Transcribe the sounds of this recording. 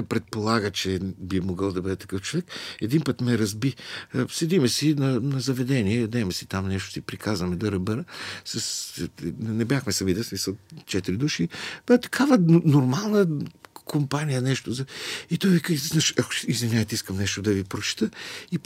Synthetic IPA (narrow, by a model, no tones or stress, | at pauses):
pɾɛt̪̚polˠaɡət͡ʃɛbimoɡəlˠd̪ɐbɤd̪ɛt̪ɐ̥kɤft͡ʃovɛkɛd̪inpət̪mɛɛɾɐzbisɛd̪imɛsinɐnɐzɐvɛd̪ɛniɛjɐd̪ɛmɛsi̥t̪amnɛʃt̪o̥sipɾikʰazvɐmɛd̪ɐɾɐbɛɾəsɐs | nɛbjaxmɛsɐmid̪ɛsmisəlˠt͡ʃɛt̪iɾid̪uʃibɛt̪ɐ̥kʰavənoɾmalˠnəkʰompanijənɛʃt̪ozɐit̪ɔjvikəznaʃɐkʊ̥izvinʲjaɛt̪iskəmnɛʃt̪od̪ɐvipɾot͡ʃɛ̥t̪əi